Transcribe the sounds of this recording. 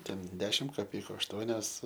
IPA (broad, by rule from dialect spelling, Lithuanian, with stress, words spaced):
ˈtʲɛn ˈdʲæːʃʲɪm kɐˈpʲɛɪkʊ ɐʃˈtuɔnʲoːs